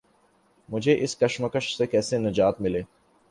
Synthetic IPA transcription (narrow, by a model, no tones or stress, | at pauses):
mʊd͡ʒʱeʔɪskɐʃmɐkəʃsekɛːsenɐd͡ʒaːt̪mɪleː